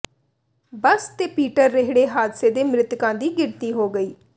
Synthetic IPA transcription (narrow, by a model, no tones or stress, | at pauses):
bəst̪eːpiːʈəɾːɪɦɽeːɦaːd̪seːd̪eːmɾɪt̪kãːd̪iːɡɪɽt̪iːɦoːɡəiː